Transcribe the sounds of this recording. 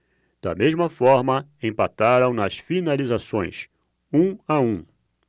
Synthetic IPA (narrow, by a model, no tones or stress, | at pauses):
d̪̥ɐ̰mezmɐfɔɾmɐẽpat̪aɾɐ̃w̃nɐsfinalizasõ̰j̃s | ũaũ